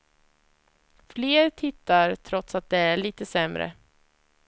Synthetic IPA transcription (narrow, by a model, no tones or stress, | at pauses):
fleːɾt̪ʰɪt̪ːaɾt̪ʰɾɔt̪sat̪̚d̪ɛæɭiːt̪əsɛmɾə̰